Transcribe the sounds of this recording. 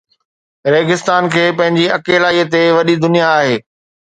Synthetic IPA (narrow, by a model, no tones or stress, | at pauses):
ɾeːɡɪst̪aːnkʰeːpɐ̃ɦɪ̃ɲd͡ʑiɐkeːlaːiːət̪eʋɐɗid̪ʊnijaːɦeː